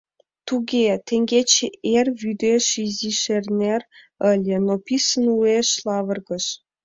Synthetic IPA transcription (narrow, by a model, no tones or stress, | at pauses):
t̪uɣet̪eŋɡet͡ɕeerβyd̪eʃiziʃerner | əlʲĕnopʲisənueʃlɑβərɣə̆ʃ